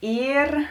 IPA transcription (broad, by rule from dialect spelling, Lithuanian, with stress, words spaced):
ˈiːr